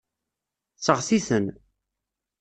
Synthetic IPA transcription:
t͡sːəʁsiθən

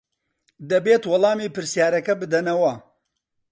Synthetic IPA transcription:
d̪ɐbeːt̪wɑlˠɑːmiːpɨɾsijaːɾɐkɐbɨd̪ɐnɐwɐ

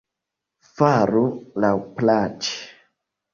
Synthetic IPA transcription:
faɾulaplat͡ʃi̥

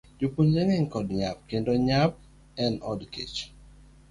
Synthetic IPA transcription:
d͡ʒopond͡ʒeŋeŋkɔdɲap̚kendɔɲap̚ | ɛnɔdkʰḛt͡ʃ

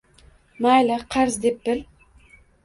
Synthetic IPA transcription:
majlaqʰɑɾzd̪ep̚bɪl

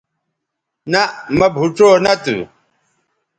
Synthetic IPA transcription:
naʔmɐbʱuʈ͡ʂonat̪ṵ

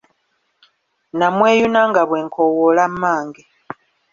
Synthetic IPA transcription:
namweːjunaŋɡaβweːŋkʰowolamːaːŋɡe

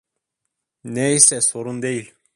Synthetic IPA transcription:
neisɛsoɾund̪ejil

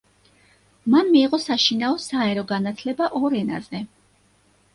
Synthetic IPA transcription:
manmiːʁɔsaʃinaɔsaɛɾɔɡanat̪ʰlɛbaʔɔɾɛna̰zɛ

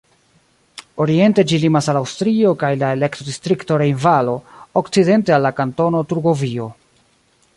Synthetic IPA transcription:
o̞ɾie̞nte̞d͡ʒilimasalawstɾio̞kajlae̞le̞ktɾodistɾikto̞ɾe̞jnvalo̞okt͡side̞ntealːakanto̞no̞tuɾɡo̞vio̞

